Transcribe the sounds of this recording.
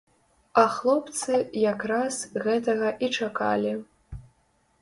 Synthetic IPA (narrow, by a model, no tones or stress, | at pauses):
ɐxlˠɔpt̪sɨjakɾasɣɛt̪ɐɣɐʔit͡ʂaka̰lʲi